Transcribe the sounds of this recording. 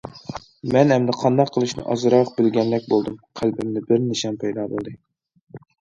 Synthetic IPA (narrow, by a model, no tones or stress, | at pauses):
mɛnhɛmd̪ɛqʰɑnd̪ɑqʰːəlˠɨʃnɨ̰ʔɑ̰zɨɾɑq̚bɪlɡʲɛnlːɛk̚ʲbolˠd̪ɨmqʰælbɪmnɪbɪɾnɪʃɑmpʰɛjd̪ɑːbo̰lˠd̪ɨ